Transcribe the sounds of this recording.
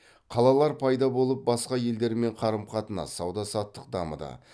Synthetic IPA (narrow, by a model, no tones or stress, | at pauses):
qʰɑlˠɑlˠɑɾpʰɑjd̪ɑbo̞lˠəp̚bɑsqɑje̞ld̪e̞ɾɪme̞ɴqʰɑɾəmqʰɑt̪ənɑ̰sːɑwd̪ɑsɑt̪ːəq̚d̪ɑmə̰d̪ə̰